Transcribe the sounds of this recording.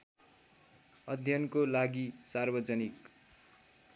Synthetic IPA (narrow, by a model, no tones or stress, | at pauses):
ʌd̪ʱjʌnkolaɡisarbʌd͡zʌnik